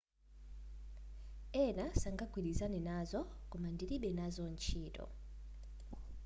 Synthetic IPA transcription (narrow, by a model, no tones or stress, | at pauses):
ɛnasaŋɡaɡwiɾizanɛnazɔkumandiɾiɓɛnazɔnt͡ʃʰiːtɔ̰